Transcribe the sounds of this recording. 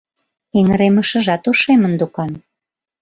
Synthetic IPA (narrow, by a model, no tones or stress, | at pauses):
eŋəɾemə̆ʃə̆ʒɑt̪uʃemənd̪ukɑm